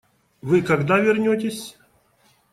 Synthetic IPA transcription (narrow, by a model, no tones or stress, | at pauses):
vɨkɐɡd̪avʲɪrnʲot̪ʲɪsʲ